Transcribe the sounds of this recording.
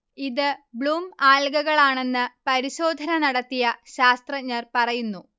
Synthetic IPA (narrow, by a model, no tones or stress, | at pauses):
iðɨbɭuːmaːlɡɐɣɐɭaːɳe̞nːɨpɐɾiɕo̞ːd̪ʱɐnɐnɐɽɐt̪ːijɐɕaːst̪rɐɲːɐrpɐrɐjunːu